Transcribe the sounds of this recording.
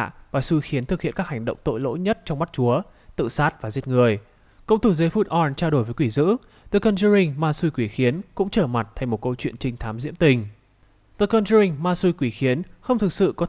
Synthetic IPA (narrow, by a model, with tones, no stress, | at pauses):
vaː˨˩su˧xi˨˦ənt̪ɨ˨˩k̚hḭ˧˨nkaː˦˥k̚ha˨˩jŋ̟ɗə̰˧˨wŋ͡mt̪o̰˧˨jlo̰˧˥jɲə˦˥t̚t͡ɕɔ˧wŋ͡mma˦˥t̚t͡ɕu˨˦ə | t̪ɨ̰˧˨saː˦˥t̚vaː˨˩zi˦˥ət̚ŋɨ˨˩əj | kə̰˧˨wŋ͡mt̪ʰu˧˩zəː˨˦jfu˦˥t̚ʔɔ˧nt͡ɕaː˧wɗo˧˩jvə˨˦jkwi˧˩zɨ̰˧˥ | t̪ə˨˧˩kə˧nzə˧ɾï˧ŋ̟maː˧su˧jkwi˧˩xi˨˦ənkʊ̰˧˥ŋ͡mt͡ɕəː˧˩ma˨˩t̚t̪ʰa˨˧˩ŋmo˨˩t̚kə˧wt͡ɕwḭ˧˨ənt͡ɕï˧ŋt̪ʰaː˨˦mzḭ˧˥əmt̪ï˨˩ŋ̟ | t̪ə˧˩kə˧nzə˧ï˧ŋmaː˧su˧jkwi˧˩xi˨˦ənxə˧wŋ͡mt̪ɨ˨˩k̚sɨ̰˧˨kɔ˨˦